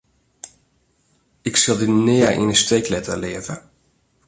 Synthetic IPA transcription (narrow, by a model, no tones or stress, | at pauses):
ɪksɪlˠdinɪːəʔḭnəstejklɛtə̰lɪəvə